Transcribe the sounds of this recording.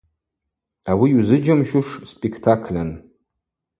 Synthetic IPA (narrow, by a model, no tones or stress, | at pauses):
awiuzɨd͡ʒamʃuʂspʼekʰtʰakʰlʲan